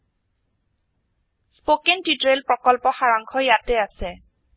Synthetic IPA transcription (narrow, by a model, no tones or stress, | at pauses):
spokentitɹelpɹɔkɔlpɔxaɹaŋkʰɔjatɛasɛ